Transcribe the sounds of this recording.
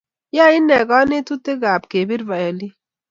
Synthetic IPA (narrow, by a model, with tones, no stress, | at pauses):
ja˦˨i˦nɛ˨ɡɔ˦ne˦tu˦te˦ɡa˨bke˨bi˦ɾva˨jɔ˨li˦